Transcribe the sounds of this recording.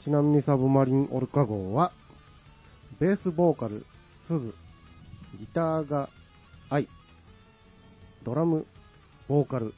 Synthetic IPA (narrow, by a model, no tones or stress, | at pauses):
t͡ɕinamʲiɲ̟isaβɯ̟maɾʲĩŋ̃ʔo̞̰ɾɯ̟kaɡo̞ːβa | be̞ːsɨbo̞ːkaɾɯ̟̰ | sɨzɨ | ɡʲit̪aːɡaː | i | d̪o̞ɾamɯ̟ | b̥o̞ːkaɾɯ̟